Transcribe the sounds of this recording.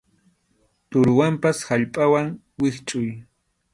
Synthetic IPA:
t̪ʊɾʊwampashaʎpʼawaŋ | wɪxt͡ʃʼʊj

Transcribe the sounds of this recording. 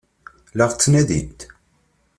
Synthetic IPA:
ləʁt͡sːnæðḭnt̪

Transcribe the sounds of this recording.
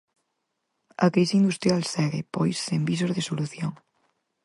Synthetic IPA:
ɐkɾisiind̪ust̪ɾjalsɛɣepojsːembis̬ozðesoluθjoŋ

